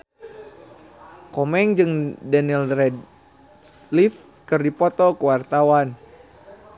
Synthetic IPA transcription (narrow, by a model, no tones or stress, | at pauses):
kɔmɛŋd͡ʒɨŋdɛnilrɛd | lif | kɨrdipɔt̪ɔkəwart̪awan